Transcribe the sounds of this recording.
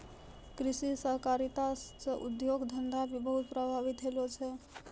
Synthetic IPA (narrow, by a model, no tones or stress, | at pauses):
kɾisisəɦkaɾit̪asəʔud̪joɡd̪ʱənd̪abʱibəɦut̪̚pɾəbʱabit̪ɦelot͡ʃʰɛ